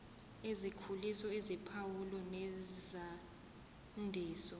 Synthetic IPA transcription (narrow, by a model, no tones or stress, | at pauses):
ezikʰulisɔezipʰawulɔnɛza | ndʱiːsɔ